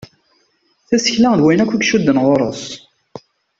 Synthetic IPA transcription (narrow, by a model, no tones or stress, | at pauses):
θæsə̥çlæŋðwæjnækʷːukʃud̪ːənʁoɾˤəs